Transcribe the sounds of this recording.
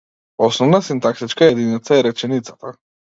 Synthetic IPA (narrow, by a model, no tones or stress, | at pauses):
ɔsnɔvnasint̪ak̚t̪it͡ʃkajɛd̪init̪saɛɾɛt͡ʃɛnit̪sat̪a